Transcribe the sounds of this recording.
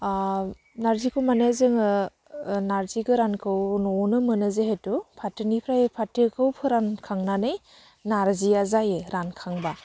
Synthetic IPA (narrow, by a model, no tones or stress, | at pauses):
naɾzikʰɯwmanazɯŋɯ | naɾziɡɯɾankʰɯwnɔnɯmɯnɯzeɦetupʰatɯnipʰɾajepʰatɯkʰɯwpʰɯɾankʰaŋnanɯj | naɾziazajeɾankʰaŋba